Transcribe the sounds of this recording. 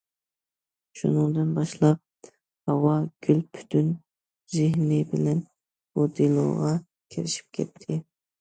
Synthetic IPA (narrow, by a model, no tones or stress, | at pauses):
ʃunɨŋd̪ɨnbɑʃlˠɑp̚ | hɑwɑɡ̥ʲylpʰy̥t̪ʰyn | zɪɦnɪbɪlɛn | b̥ud̪elˠo̰ːʁɑ | kʲʰeɾɪʃi̥p̚kʲʰɛ̰t̪ʰːɪ